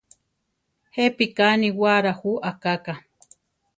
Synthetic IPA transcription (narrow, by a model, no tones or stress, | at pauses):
hepikaniwaɾahuʔakaka